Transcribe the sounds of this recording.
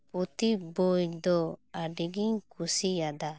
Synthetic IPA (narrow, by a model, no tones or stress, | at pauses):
put̪ibɔjd̪ɔaɖiɡiɲkusijad̪a